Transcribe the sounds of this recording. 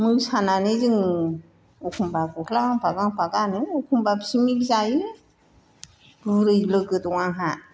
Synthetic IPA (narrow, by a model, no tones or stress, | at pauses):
mujsananɯzɯŋ | ukʰumbakukʰlaɡaŋpaɡaŋpaɡanɯukʰumbapsimikzaji | ɡɯɾɯjlɯɡɯtuwaɦa